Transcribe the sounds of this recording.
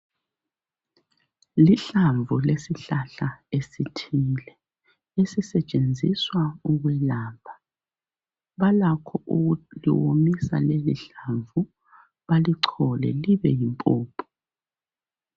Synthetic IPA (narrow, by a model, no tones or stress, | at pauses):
liɬaɱvulesiɬaɬaesitʰiːlɛ | esisɛt͡ʃʼend͡zʱiswauɣwɛlaːpbʰʱa | βalakʰɔʔuɣulḭwo̰misa̰lelḭɬaɱvu | βaliǀʰɔlɛ̰liβɛjimpʼuːpʰɔ̥